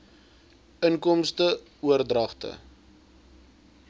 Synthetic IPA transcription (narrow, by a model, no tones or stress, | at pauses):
ənkɔmstə | uərdrɐχtə̰